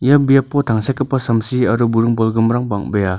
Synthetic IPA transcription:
jɐbijapːɔtʰaŋsakɯpːasɐmsiɐɾubuɾɯŋbɔlɡɯmɾaŋbaŋbeja

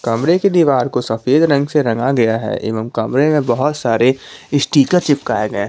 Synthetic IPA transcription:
kɐmɾeked̪iʋaːɾkosɐfeːd̪ɾɐ̃ŋɡseɾɐ̃ŋɡaɡɐjaɦɛ̰ːʔɪ̰ːʋəmkɐmɾemẽbɐɦʊt̪saːɾeɪsʈiːkət͡ʃɪp̚ka̰ːeɡɐe

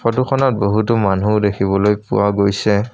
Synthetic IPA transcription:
xɔtuxʰɔnɔt̚boɦut̬ɔmanudekʰiβɔlojpʊ̰waɡojsɛ

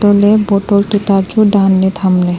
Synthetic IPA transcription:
oleboʈolt̪ut̪ad͡ʑuɖanːet̪ʰamle

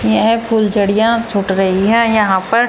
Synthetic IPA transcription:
jɐɦɛ̃pʰuːld͡ʒɐɽijãt͡ʃʰʊʈɾɐɦiɦɛ̃jɐɦãpɐɾ

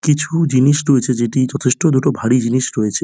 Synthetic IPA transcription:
kit͡ɕʰud͡ʑiniʃɾoet͡ɕʰed͡ʑeʈid͡ʑɔt̪ʰeʃʈod̪uʈobʱaɽid͡ʑiniʃɾojet͡ɕʰe

